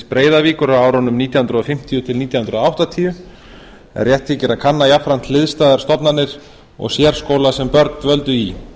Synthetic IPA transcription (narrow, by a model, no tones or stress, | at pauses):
spɾeːjðaviːkʏɾawaːwɾanʏmniːt̪jawhʏnɾʏɔfɪm̥t̪ijʏt̪ʰɪlniːt̪jahʏnɾðoawht̪at̪ʰiːʏ | ɛ̰rːjɛht̪ficɪɾakʰanːajafɾant̪lɪðst̪aːðaɾ̥st̪ɔpnanːɪɾ̥ | ɔ̰ɣsjɛɾ̥skoːwlasɛmpœɾt̪nvœlt̪ʏi